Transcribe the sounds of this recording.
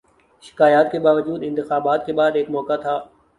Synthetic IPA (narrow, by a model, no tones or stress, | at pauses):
ʃɪ̥kaːjaːt̪kebaːʋəd͡ʒuːd̪ɪ̃nt̪ɪxaːbaːt̪keɓaːd̪ɪːkmɔːkat̪ʰaː